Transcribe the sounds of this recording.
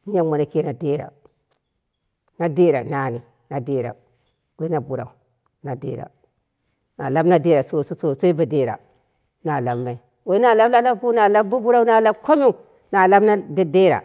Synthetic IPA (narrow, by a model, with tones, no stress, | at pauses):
ja˦ma˨na˨ke˦na˨de˦ɾa̰˨ | na˨de˦ɾa̰˨na˨ni˨ | na˨de˦ɾa̰˨ | we˦na˨bu˨ɾa̰˨u˨ | na˨dḛ˦ɾa̰˨ | na˨la˦bna˦de˦ɾa˨so˦˨sso˨so˦i˦ba˨de˨ɾa̰˨ | na˨la˨bma˨i˦ | we˦i˦na˨la˦bla˦la˦bbu˦na˨la˦bbu˦bu˦ɾa˦u˦na˨la˦bko˦mi˦˨ | na˨la˦bna˦da˦de˦ɾa̰˨